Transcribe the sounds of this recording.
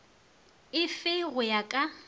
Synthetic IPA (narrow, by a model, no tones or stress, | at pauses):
ɪfɪɣʊjakʼa